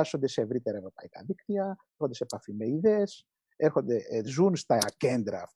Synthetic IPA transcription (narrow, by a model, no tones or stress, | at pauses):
ɐso̞nd̪e̞se̞ːvɾit̪e̞ɾɐe̞vɾo̞pɐikɐ̰ðikt̪iɐeɾxond̪e̞sepɐfime̞iðe̞s | e̞ɾxo̞nd̪ezunst̪ɐce̞nd̪ɾɐːf